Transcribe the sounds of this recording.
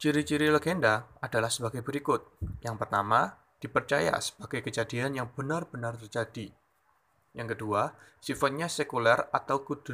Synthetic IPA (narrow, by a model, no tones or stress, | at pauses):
t͡ʃiɾit͡ʃiɾiləɡendaad̥alahsəbaɡajbəɾikʊt̪̚jaŋpərt̪ama | d̥ipərt͡ʃaja̰sə̥b̥aɡajkəd͡ʒadianjaŋb̥ənarb̥ənart̪ərd͡ʒadi | jaŋkəduasifat̪̚ɲasekulɛrat̪awkud̥ʊ